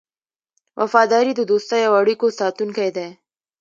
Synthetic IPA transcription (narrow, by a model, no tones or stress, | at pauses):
wʔɐ̰fɑːd̪ɑːɾid̪əd̪oːst̪ajawaɽikosɑːt̪unkajd̪e